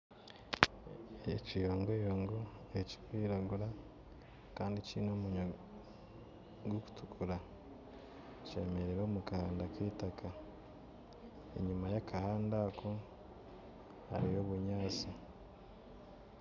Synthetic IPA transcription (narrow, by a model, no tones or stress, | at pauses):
ecijoːŋɡojoːŋɡoeci̥kiːɾaɡuɾa | kaːndicḭnoːmuɲo | ɡoku̥tʰu̥kʰuɾa | t͡ʃemeɾeɾoːmukahaːndakiːtakʰa | ḛɲumajakahaːndakʰo | ha̰ɾijo̞ːβuɲaːt͡si